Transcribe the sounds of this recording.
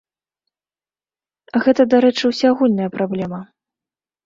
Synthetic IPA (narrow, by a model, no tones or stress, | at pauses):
ɣɛt̪ɐd̪aɾɛt͡ʂɨwsʲaaɣulʲnɐjɐpɾablʲɛmɐ